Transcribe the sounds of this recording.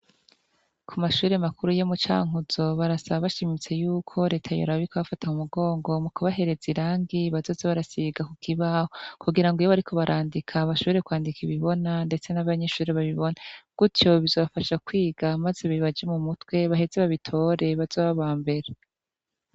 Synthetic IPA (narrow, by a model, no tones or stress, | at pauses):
kʰumaʃuːɾemakuɾujemut͡ʃa̰ːŋuz̥o̞βaɾasaβaβaʃimit͡se̞juːkʰo̞ɾe̞ːtʰajo̰ɾaβikoβafatahumuɡo̞ːŋɡo̞mukʰuβaɦe̞ɾe̞ziɾaːŋɡiβazo̞ːzeβaɾasiɡakukʰiβaːho̞kuɡiɾaŋɡojoβaɾikʰo̞βaɾʔaːndikʰaːβaʃoɾekwaːndikiβiβo̞nande̞t͡se̞naβaɲe̞ʃuːɾeβaβiβo̞naɡ̥utjo̞βizoβafaʃakwiːɡamazeβiβad͡ʒe̞mumutwe̞βaɦe̞zeβaβitʰo̞ɾe̞βaz̥oːβaβaːmbe̞ɾe